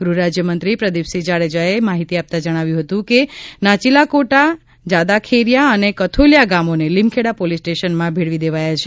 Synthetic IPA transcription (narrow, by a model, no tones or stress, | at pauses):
ɡɾuɾad͡ʒjəmənt̪ɾipɾəd̪ipsid͡ʒaɾed͡ʒaemaɦit̪iap̚t̪ad͡ʒəɽ̃aʋjũɦət̪ũkenat͡ʃilakoʈa | d͡ʒad̪akʰeɾjaənekət̪ʰoljaɡamonelimkʰeɽapolisʈeʃənmãbʱeɽʋid̪eʋajat͡ʃʰe̥